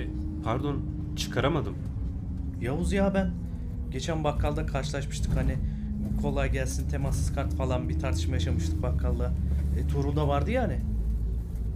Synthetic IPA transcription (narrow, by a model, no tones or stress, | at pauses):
pʰaɾd̪o̞n | t͡ʃʰɯ̥kʰaɾamad̪ɯm | jauzjaːbæn | ɟe̞t͡ʃʰænbakʰːalˠd̪akʰaɾʃɯlˠaʃmɯʃt̪ʰɯ̥khani | bkʰo̞lˠajɟælʲsint̪ʰe̞masɯ̥skʰaɾt̪falˠanbit̪ʰaɾt̪ʰɯʃmajaʃamɯʃt̪ʰɯk̚bakʰːalˠːat̪ʰoɾulˠd̪avaɾd̪ɯjaːnɪ